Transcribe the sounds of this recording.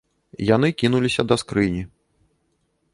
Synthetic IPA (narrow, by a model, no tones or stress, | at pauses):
jan̪ɨkʲinulʲisʲɐd̪ɐskɾɨnʲi